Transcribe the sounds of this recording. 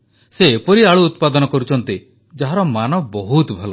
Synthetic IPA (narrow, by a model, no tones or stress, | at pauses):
seːpɔɾiaɭuːt̪pad̪ɔnɔkɔɾut͡ʃʰɔnt̪i | d͡ʒaɦaɾɔmanɔbɔɦut̪bʱɔlɔ